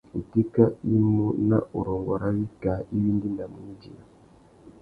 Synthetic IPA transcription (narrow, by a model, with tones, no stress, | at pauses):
u˨ti˦ka˦i˦mo˦na̰˦ʔo˨ɾɔ˨ŋɡɔ˨ɾa˦wi˦ka˨˦i˦wi˦ndi˦nda˨mu˨˦i˦d͡ʒi˨a˨